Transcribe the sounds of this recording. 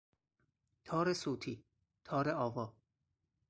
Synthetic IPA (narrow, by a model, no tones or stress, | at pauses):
t̪ʰɒːɾesoːt̪ʰiː | t̪ʰɒːɾeɒːvɒː